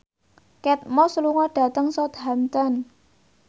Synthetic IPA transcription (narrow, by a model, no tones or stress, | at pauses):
kɛt̪̚mɔsəluŋɔɖ̥ä̤t̪əŋsɔt̪ɦamt̪ɔn